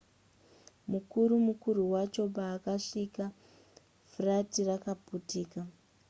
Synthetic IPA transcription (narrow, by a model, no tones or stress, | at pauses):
mukuɾumukuɾuwat͡ʃo̞baːkaʂika | fratirakaputiːka